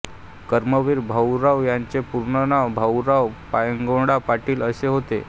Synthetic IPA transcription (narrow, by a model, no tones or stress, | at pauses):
kəɾməʋiɾbʱawɾaʋjaɲt͡sepuɾɳənabʱawɾawpajəŋɡoɽapaʈiːləseɦot̪ḛ